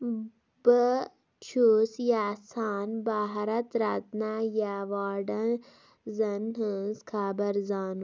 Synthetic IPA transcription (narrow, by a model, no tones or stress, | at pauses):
bə | t͡ʃʰuːsjaːsaːnbaːɦɐɾɐt̪ɾat̪najaʋaːɖɐn | zɐnɦənzkʰaːbɐɾzaːn